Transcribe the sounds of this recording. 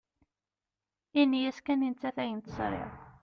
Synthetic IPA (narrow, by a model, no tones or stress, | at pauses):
inːijæskænint͡s̪ːæθæjənt̪sɾɪ̰ʁ